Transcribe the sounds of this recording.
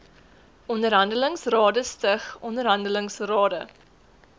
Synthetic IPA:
ɔndəɾɦɐndələŋsrɑːdəstəχɔndəɾɦɐndələŋsrɑːdə

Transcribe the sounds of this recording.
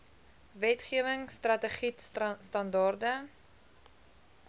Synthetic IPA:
vɛtχiəvəŋstrɐtəχitsstɐndɑrdə

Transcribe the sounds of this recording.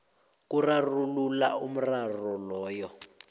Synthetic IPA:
k̬ʼurarulula̰um̩rarɔlɔːjɔ

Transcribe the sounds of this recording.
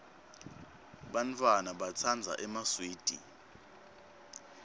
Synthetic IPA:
ɓantʰʼwanaɓat͡sʰand͡zʱa̰ʔɛmaswiːd̥ʼʱḭ

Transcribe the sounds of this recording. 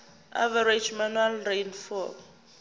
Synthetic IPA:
a̰vaɾed͡ʒmanualrejnfɔ

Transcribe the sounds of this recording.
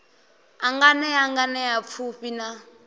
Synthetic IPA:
aŋɡanɛaŋɡanɛjap̪fʰuɸina

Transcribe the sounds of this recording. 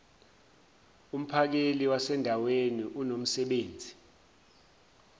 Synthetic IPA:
um̩pʰak̬eliwasɛndʱaweniʔunom̩sɛɓeːnd͡zʱi

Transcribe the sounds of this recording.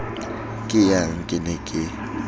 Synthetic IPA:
kʼɪjaŋ̩kʼɪnɛkʼɪ

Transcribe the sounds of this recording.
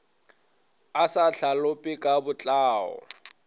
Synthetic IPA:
asaɬalʊpʼɪkʼabʊt͡ɬʼaːɔ̰

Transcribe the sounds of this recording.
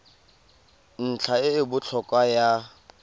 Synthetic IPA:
n̩t͡ɬʰaɪːbʊt͡ɬʰɔkʼwaja

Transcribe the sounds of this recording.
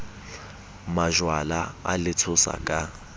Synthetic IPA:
maʒwalaalɪtʰʊsa̰kʼa

